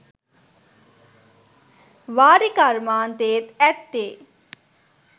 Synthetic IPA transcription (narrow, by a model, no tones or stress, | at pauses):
ʋaːɾikaɾmaːnt̪eːt̪ɛt̪ːeː